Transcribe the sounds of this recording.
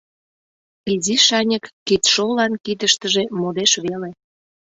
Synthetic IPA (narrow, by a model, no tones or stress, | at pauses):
iziʃɑnʲəkːit̪ʃolːɑnkid̪əʃt̪əʒemod̪eʃβele